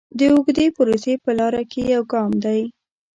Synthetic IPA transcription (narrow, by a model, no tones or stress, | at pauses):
d̪əʊɡd̪epʊɾosepəlɑɾakʰejawɡɑmd̪aj